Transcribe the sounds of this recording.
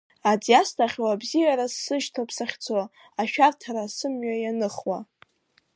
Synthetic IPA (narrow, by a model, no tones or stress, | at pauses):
ad͡zijastʰaχʲwabzijaɾasːɨʒtʰapʰsaχʲt͡sʰwa | aʃᶣartʰaɾasɨmɥajanɨχwa